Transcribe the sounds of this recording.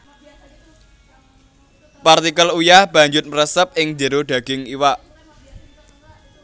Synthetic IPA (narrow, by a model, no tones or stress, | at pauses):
part̪ikəlujahb̥a̤ɲd͡ʒʊt̪̚məɾəsəp̚ɪŋd͡ʒəɾoɖ̥a̤ɡ̥ɪŋiwaʔ